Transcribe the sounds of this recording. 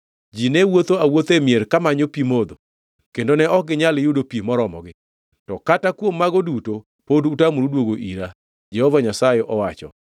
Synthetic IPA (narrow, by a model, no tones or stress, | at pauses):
d͡ʒinɛwot̪oawot̪emjeɾkamaɲopimod̪o | kendonɛɔɡɪɲaljʊdopimɔɾɔmɔɡɪ | tɔkatakwomːaɡoduto | podutamuɾudwoɡoʔiɾa | d͡ʒɛhɔvaɲasajeʔɔwat͡ʃɔ̰